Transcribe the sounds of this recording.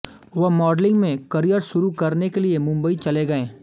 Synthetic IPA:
ʋɐɦmɔːɖlɪ̃ŋɡmẽkɐɾijəɾʃʊɾukɐɾnekeliemʊ̃mbəit͡ʃɐleɡɐẽː

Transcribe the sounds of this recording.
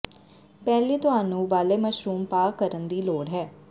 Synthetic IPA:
pɛːliːt̪ʊɦaːnũːʋaːleːməʃɾuːmpaːkəɾənd̪iːloːɽɦɛː

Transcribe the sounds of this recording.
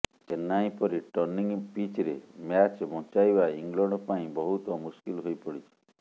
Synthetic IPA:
enːaĩpɔɾiʈɔɾniŋpit͡ʃɾemjat͡ʃbɔ̃t͡ʃajbaiŋlɔɳɖɔpaĩbɔɦut̪ɔmuskilɦojpɔɽit͡ʃʰi̥

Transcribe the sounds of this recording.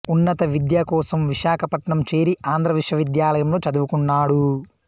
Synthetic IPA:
unːɐt̪ɐʋid̪jakɔːsɐmʋiʃaːkʰɐpɐʈɳɐmt͡ʃe̞ːɾiʔaːnd̪ɾɐʋiʂʋɐʋid̪jaːlɐjɐmlo̞ːt͡ʃɐd̪uʋukuɳːaːɽu

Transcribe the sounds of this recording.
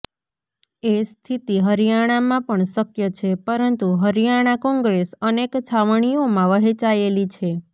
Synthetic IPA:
est̪ʰit̪iɦəɾijaɽ̃amãpəɳsəkjət͡ʃʰepəɾənt̪uɦəɾjaɽ̃akɔ̃ŋɡɾesənekt͡ʃʰaʋɳ̃ijomãʋəɦet͡ʃaelit͡ʃʰe

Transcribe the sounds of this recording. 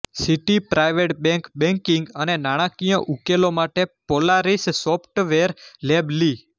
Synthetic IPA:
siʈipɾajʋeʈbɛ̃ŋkbɛ̃ŋkĩŋɡənenaɽ̃ãkijə̃ʔukelomaʈepolaɾissɔpʰʈʋeɾlebli

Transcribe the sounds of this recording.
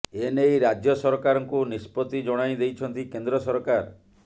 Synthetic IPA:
enejɾad͡ʒjɔsɔɾkaɾɔŋkunispɔt̪id͡ʒɔɽ̃ajd̪ejt͡ʃʰɔnt̪ikend̪ɾɔsɔɾkaɾ

